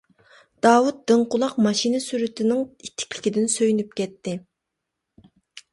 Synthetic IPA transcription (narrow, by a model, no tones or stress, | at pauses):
d̪̥ɑːwut̪̚d̪ɨɴqʊlˠɑqmɑʃinɪsyɾyt̪ʰɪnɪŋit̪ʰːɪ̥kʲlɪ̥kʲid̪ɪnsøjynyp̚kʲʰɛt̪ʰːɪ